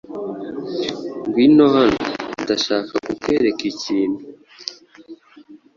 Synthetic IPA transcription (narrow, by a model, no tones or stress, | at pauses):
ŋɡwinohanudaʃaːkakukeɾekiciːnhu